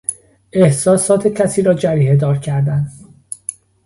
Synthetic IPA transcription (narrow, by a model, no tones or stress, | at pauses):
e̞hsɒːsɒːt̪ʰe̞cʰæsiːɾɒːd͡ʒæɾiːɦe̞d̪ɒːɾcʰæɾd̪æn